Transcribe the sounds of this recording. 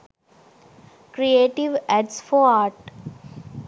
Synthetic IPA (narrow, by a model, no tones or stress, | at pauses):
kɾieːʈiʋæɖsfɔɾaːɾʈ